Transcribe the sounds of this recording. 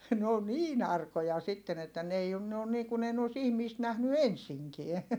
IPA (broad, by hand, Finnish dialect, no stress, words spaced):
n oː niːn ɑrkojɑ sitːen etːæ n ei on ne on niːkun ei ne os ihmiːst næhny ensiŋkiɛ